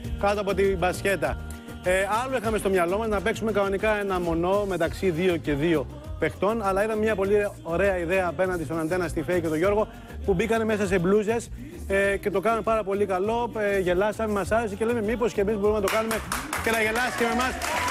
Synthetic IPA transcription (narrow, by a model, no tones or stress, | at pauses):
kɐt̪oɐpo̞t̪ibɐsce̞t̪ɐ | eɐloixɐme̞st̪o̞mɲɐlo̞mɐznɐpe̞ksume̞kɐnonikɐe̞nɐmo̞no̞me̞t̪ɐksiðio̞ce̞ðio̞ | pe̞xt̪o̞nɐlɐiðɐmemɲɐpo̞lioɾe̞ɐiðe̞ɐːpe̞nɐnd̪ist̪o̞nɐnd̪e̞nɐst̪ifeice̞t̪o̞ʝo̞ɾɣo̞ | pubikɐne̞me̞sɐs̬e̞bluze̞s | ece̞t̪o̞kɐnɐmpɐɾɐpo̞likɐlo̞eʝe̞lɐsɐmemɐsɐɾe̞sice̞le̞me̞mipo̞scemizbo̞ɾumenɐt̪okɐnume̞ce̞nɐʝe̞lɐsi̥c̪eme̞mɐs